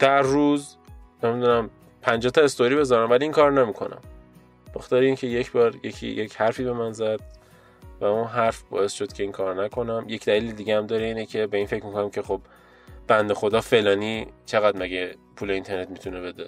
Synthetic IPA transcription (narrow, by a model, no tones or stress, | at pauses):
d̪̥æɾːuːz | nemid̪uːnæm | pʰænd͡ʒɒːt̪ʰɒest̪oɾiːbe̞zɒɾæmvæliiːnkʰɒːɾnemiːkʰo̞̰næ̰mː | moxt̪ɒːɾeiːncʰe̞jecʰbɒːɾjecʰḭjecʰhæɾfiːbe̞mænzæd̪̥̚ | væunɦæɾfbɒ̰ːe̞sʃo̞d̪̥cʰe̞iːnkʰɒːɾnækʰo̞næmje̞cd̪æliːled̪iɟeæmd̪ɒːɾeiːnecʰe̞be̞infe̞cmikʰonæmcʰe̞xob | b̥ænd̪e̞xo̞d̪ɒːfe̞lɒːniːt͡ʃʰe̞ɣæd̪mæɟepʰuːleint̪ʰe̞ɾne̞t̪mit̪ʰunebe̞d̪e